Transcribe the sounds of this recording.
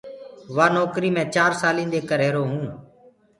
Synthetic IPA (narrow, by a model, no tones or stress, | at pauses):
ʋaːnɔːkɾiːmẽːt͡ʃaːɾsaːlĩːnd̪eːkəɾɦeːɾoːɦũː